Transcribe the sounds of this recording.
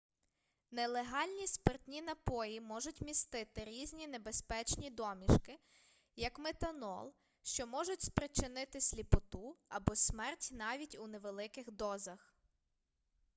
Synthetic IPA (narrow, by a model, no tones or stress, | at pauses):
nelˠeɦɑlʲnʲispertʲnʲinɐpɔjimɔʒʊtʲmʲist̪ɪt̪ɪɾʲizʲnʲine̞be̞spɛt͡ʃnʲid̪ɔmʲiʃkɪ | jɐkmet̪ɐnɔ̰lˠ | ʃt͡ʃɔmɔʒʊtʲspɾɪt͡ʃɪnɪt̪ɪsʲlʲipɔt̪uɐbɔsʲmɛrtʲnɑʋʲitʲuneʋelˠɪkɪxd̪ɔzɐx